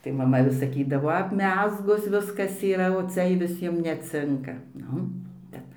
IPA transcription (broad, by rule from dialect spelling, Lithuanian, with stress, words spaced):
tɐɪ mɐˈmɐ ʋʲɪs sɐˈkʲiːdɐʋoː ɐpʲˈmʲæːzɡʊs ˈʋʲɪskɐs iːˈrɐ oː ˈt͡sʲɛ ɪ ʋʲɪˈsʲiɛm nʲɛˈt͡sʲɪŋkɐ ˈnʊ ˈbʲɛt